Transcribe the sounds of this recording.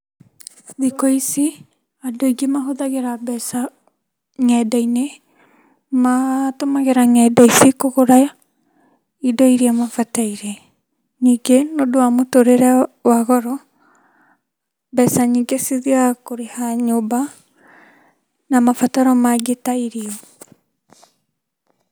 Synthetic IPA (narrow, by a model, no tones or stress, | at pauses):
ðikɔisi | adɔiɡemaɦoðaɣeɾabɛsa | ŋɛdaine | matomaɣeɾaŋɛdaisikoɣoɾa | idɔiɾiamafataiɾe | ɲiːɡenodowamotoɾeɾɛwaɣɔɾɔ | bɛsaɲiɡesiðiakoɾehaɲoba | namafataɾɔmaɡetaiɾiɔ